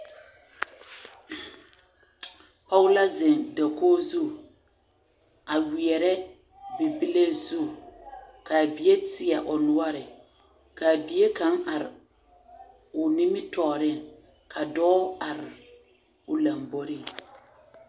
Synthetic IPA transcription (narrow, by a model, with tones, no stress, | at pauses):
pɔ˦ʊ˦la˦zɪ˨nda˨koː˦zu˦˨ | a˨wi˨ɛ˨ɾɛ˦ | bi˨bi˦le˦zu˦˨ | ka˨bi˨je˦tɪ˨a˨ʔʊ˨nʊ˦a˦ɾɪ˨ | ka˨bi˨˦e˦ka˨˦ŋʔa˨ɾɪ̰˨ | ʊ˨ni˦mɪ˦tɔ˨ɾɪ˦˨ŋ | kʰa˨dɔː˦a˨ɾɪ˨ | ʊ˨la˨mbo˦ɾɪ˦˨ŋ